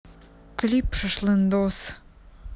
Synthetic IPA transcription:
klʲipʃəʃlˠənd̪os

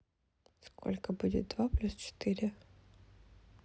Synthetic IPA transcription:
skʰɔ̰lʲkɐbudʲɪt̪̚d̪vaplʲust͡ʃɪ̥t̪ɪɾʲɪ

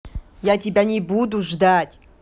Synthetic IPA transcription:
jatʲɪbʲanʲɪbud̪uʐd̪atʲ

